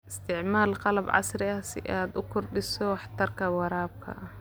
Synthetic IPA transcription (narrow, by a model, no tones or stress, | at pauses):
ɪst̪ʰɪʕmaːlqɑlɐbʕɑ̰srɪɐsɪ̰ʔaːd̪ʊkʰʊrɖɪsɔwɑħt̪ɐrkʰɐwɑɾaːb̚kʰɐ̰ʔɐ